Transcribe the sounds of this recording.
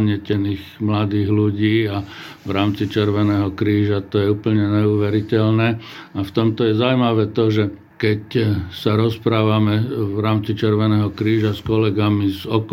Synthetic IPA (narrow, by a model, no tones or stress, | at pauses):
ɲɪɛcɛniːxmlad̪iːɣluɟiːaʋɾaːmt͡sit͡ʃɛɾʋɛnɛːɦɔkɾiːʒat̪ɔjɛuːpl̩ɲɛɲɛuːʋɛɾicɛʎnɛːaft̪ɔmt̪ɔjɛzaumaʋɛːt̪ɔʒɛ | kɛcsaɾɔspɾaːʋamɛʋɾaːmt͡sit͡ʃɛɾʋɛnɛːɦɔkɾiːʒaskɔlɛɡamizɔk